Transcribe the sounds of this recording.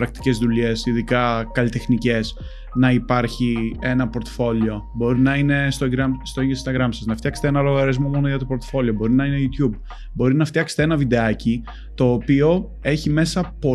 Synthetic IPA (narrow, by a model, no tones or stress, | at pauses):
ɾɐk̚t̪i̥ce̞zðule̞siðikɐkɐlit̪exnice̞s | nɐipɐɾçie̞nɐpo̞ɾt̪o̥fo̞lio̞bo̞ɾinɐine̞st̪oɡɾɐmst̪oiesist̪ɐɣɾɐmsɐznɐft̪çɐkst̪eenɐlo̞ɣɐɾizmomo̞noʝɐt̪opo̞ɾt̪ofo̞lio̞bo̞ɾinɐinejut̪çub̚ | bo̞ɾinɐft̪çɐkse̥t̪eenɐvid̪e̞ɐci | t̪o̞ːpio̞ | e̞çime̞sɐpo̞